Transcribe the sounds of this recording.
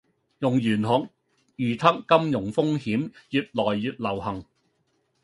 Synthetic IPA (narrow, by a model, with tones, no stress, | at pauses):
jʊ˨˩ŋjyː˨˩nɦʊ˨k̚ | jyː˨˩t̪ʰɐ˥kːɐ˥mjʊ˨˩ŋfʊ˥ŋhiː˨˥mjyː˨t̚lɔː˨˩jːyː˧t̚lɐ˨˩whɐ˨˩ŋ